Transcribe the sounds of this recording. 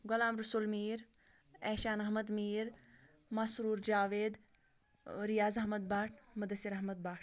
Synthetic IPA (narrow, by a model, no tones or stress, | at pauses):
ɡolaːmɾusulmiːɾ | ɛːʃaːnɐɦmɐd̪miːɾ | masɾuːɾd͡ʒaːʋeːd̪ | ɾijaːzɐɦmɐd̪̚baːʈʰmɐd̪ɐsiɾɐɦmɐd̪̚baːʈʰ